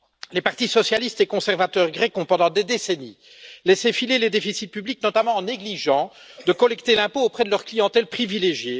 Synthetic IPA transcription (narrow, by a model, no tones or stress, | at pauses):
lepaʁt̪isɔsjalist̪ekɔ̃sɛʁvat̪œʁɡʁɛkɔ̃pɑ̃d̪ɑ̃d̪ed̪eseni | lɛsefileled̪efisit̪̚pybliknɔt̪amɑ̃ːneɡliʒɑ̃ | d̪əkɔlɛkt̪elɛ̃poːpχɛd̪əlœʁklijɑ̃t̪ɛlpχivileʒje